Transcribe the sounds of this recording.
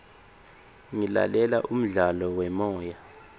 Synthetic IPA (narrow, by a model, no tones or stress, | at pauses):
ŋila̰lɛlaʔum̩ɮalɔwɛmɔːja